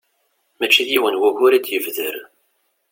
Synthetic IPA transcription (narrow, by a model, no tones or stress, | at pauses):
mæt͡ʃːijiwənwæʝʊɾæd̪jəvðəɾ